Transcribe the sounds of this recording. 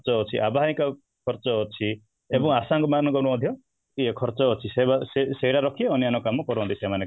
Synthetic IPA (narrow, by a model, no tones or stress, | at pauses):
t͡ʃɔɦɔt͡ʃʰiʔabaɦaĩkɔ | kʰɔɾt͡ʃɔɦɔt͡ʃʰi | ebɔŋasaŋɡɔmanɔɡɔnɔmɔd̪ʱjɔ | iekʰɔɾt͡ʃɔɦɔt͡ʃʰisebaseseɦiɽaɾɔkʰieɔnijanɔkamɔkɔɾɔɦɔnt̪isemane